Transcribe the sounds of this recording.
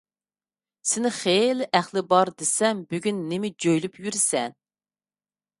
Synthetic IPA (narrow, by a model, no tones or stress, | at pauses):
sɪnɪχelɪʔæχlˠɪbɑɾd̪esɛmbyɡʲynːɪmɪd͡ʒøjlypjyɾɪsɛn